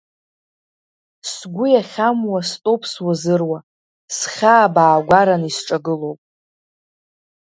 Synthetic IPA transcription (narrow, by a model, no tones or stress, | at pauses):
sɡʷʊjaχʲamwastʼo̞pʰswazɨrwa | sχʲaːbaːɡʷaɾanisʈ͡ʂʼaɡɨlo̞wpʼ